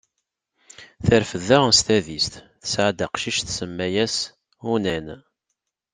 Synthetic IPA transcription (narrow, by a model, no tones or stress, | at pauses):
θəɾfəðæʁst̪æðist̪ | θə̥sʕad̪aqʃiʃθsəmːæjæs | unæn